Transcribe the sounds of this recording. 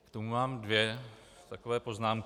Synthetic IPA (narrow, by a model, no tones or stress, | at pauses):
kt̪o̞mumaːmdvjɛ | t̪akovɛːpo̞znaːmk